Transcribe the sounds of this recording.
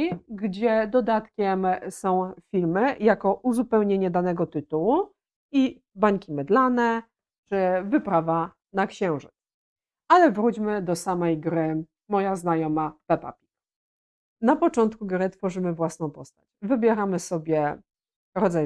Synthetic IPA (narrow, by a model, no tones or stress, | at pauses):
ɡd͡ʑɛd̪ɔd̪at̪kʲɛmsɔ̃w̃fʲilmɘjakɔʔuzupɛwɲeɲɛd̪anɛɡɔt̪ɘt̪uwu | i | baɲkʲimɛd̪lanɛ | t͡ʂɘvɘpɾava | nakɕɛ̃w̃ʐɨt̪s | alɛvɾut͡ɕmɘd̪ɔsamɛjɡɾɘ | mɔjaznajɔmavɛpa̰pʲi̥k | napɔt͡ʂɔnt̪kuɡɾɘt̪fɔʐɘmɘvwasnɔ̃w̃pɔst̪at͡ɕvɘbʲjɛɾamɘsɔbʲjɛ | ɾɔd̪zaj